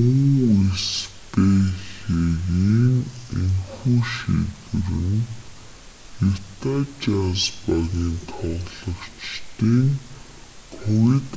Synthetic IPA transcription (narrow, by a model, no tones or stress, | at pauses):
uŋespeɮeɣiːŋeŋxuːʃḭɣɘ̆rɘ̆n | it̪at͡ɕaspaniːnt̪ʰɔʁɮɞ̆kt͡ɕt̪iːŋ | kʰɔwit̪